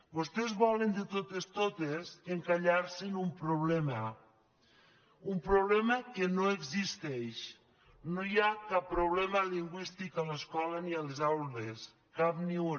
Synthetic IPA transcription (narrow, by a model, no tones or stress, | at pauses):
bost̪ezβɔlend̪et̪ot̪est̪ot̪eseŋkaʎaɾsinumpɾoβlɛmə | umpɾoβlɛməkenoeɡzist̪ɛʃ | nojakapːɾoβ̞lɛməliŋɡwist̪ikaləskɔlanialezawles | kap̚niu